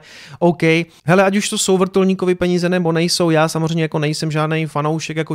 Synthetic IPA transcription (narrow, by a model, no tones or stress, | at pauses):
ʔowkɛj | ɦɛlɛacuʃt̪o̞so̞wvr̩t̪ulɲiːkovɪpɛɲiːzɛnɛbo̞nɛjso̞wjaːsamozrɛjmɲɛjako̞nɛjsɛmʒaːdnejfano̞wʃɛkjako